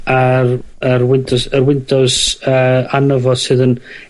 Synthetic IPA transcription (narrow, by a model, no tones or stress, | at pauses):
arərwɪntʰɔsərwɪntʰɔsəːanəvɔdsɨːðən